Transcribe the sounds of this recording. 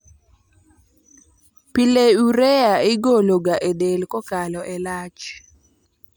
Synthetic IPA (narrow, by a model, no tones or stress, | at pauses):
pileuɾeaɪɡoloɡaʔedelkɔkalɔʔɛlat͡ʃ